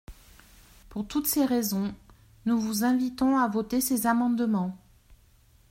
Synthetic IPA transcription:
puʁt̪ut̪seʁezɔ̃ | nuvuzɛ̃vit̪ɔ̃avot̪esezamɑ̃d̪mɑ̃

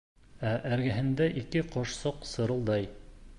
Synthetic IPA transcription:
æʔæɾɡæɦɘ̆nd̪æʔikɘqoʃsoqsɤ̆ɾɤ̆lˠd̪ɑj

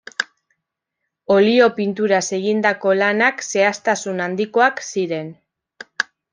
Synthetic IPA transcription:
o̞lio̞pint̪uɾase̞ɣ̞ind̪ako̞lanakse̞ast̪asunand̪iko̞aksiɾe̞n

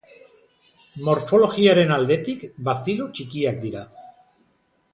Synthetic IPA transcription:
mo̞ɾfo̞lo̞ɣiaɾe̞nald̪e̞t̪ikbasiðut͡ʃikiak̚d̪iɾa

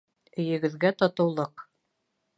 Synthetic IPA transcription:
ɵ̆jɘ̆ɡɘ̆ðɡæt̪ɒt̪ɤ̆wlˠɤq

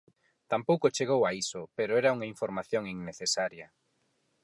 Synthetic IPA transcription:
t̪ampowkot͡ʃeɣ̞owaisʊpeɾoɛɾɐuŋaiɱfoɾmaθjoŋiŋneθesaɾjɐ

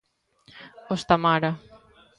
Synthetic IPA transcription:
ost̪amaɾa

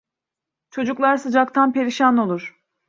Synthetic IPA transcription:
t͡ʃʰo̞d͡ʒuklˠaɾsɯd͡ʒakt̪ʰanpe̞ɾiʃano̞lˠuɾ̥

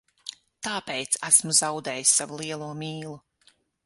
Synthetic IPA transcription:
t̪aːpɛjt̪sæsmuzawd̪ɛːjisʲːavulˠiɛlˠuɔmʲiːlˠu

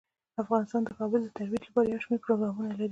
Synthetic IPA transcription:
afɣɑnɪst̪ɑnd̪əkɑbəld̪ət̪aɾwit̪lapɑɾajawʃmeɾpɾoɡɾɑmunalaɾi

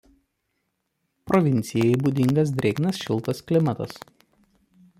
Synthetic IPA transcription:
pɾɔʋʲɪnʲt̪sʲɪjɛɪbuːd̪ʲɪŋɡɐs̬d̪ʲɾʲɛnɐsʃʲɪlˠt̪ɐsklʲɪmɐt̪ɐ̰s

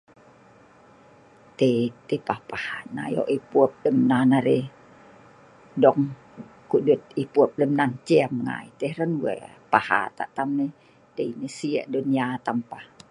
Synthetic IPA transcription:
t̪et̪epahpahana̰jɔ̰ʔipuəp̚ləmnanaɾe | dɔŋ | kuʔdut̪̚ipuəp̚ləmnant͡ʃɛamŋa̰it̪ehɾənwɛ̰paha̰t̪a̰ʔt̪amne | deinesiɛ̰ʔdunijat̪ampah

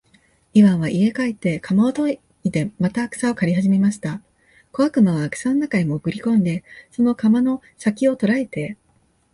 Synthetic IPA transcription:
iβãɰ̃βaʔie̞kait̪ːe̞kʰamaot̪o̞ | it̪e̞mat̪aːkɯ̟̥sao̞kaɾʲiɦaʑime̞maɕi̥t̪a | ko̞βakɯ̟noβaːkɯ̟̥sanonakaɲimokɯ̟ɾʲikõ̞nd̪e̞so̞no̞kamano̞ | sakʲio̞t̪o̞ɾaet̪e̞

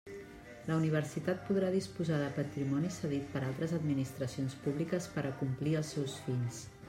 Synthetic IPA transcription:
ləuniβ̞əɾsit̪at̪̚puðɾaðispuzaðəpət̪ɾimɔnisəðit̪̚pəɾalˠt̪ɾəzəd̪minist̪ɾəsionspuβlikəspəɾʔəkumpliəlˠsɛwsfiʎs

